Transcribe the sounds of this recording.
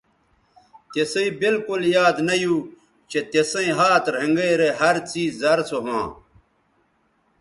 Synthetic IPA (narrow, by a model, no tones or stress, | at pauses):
t̪esɐibilkuljaːd̪nɐjuː | t͡ɕet̪esɐ̃ĩɦaːt̪ɾẽŋɡeːɾeɦɐɾt͡siːɐɾsoɦã̰ː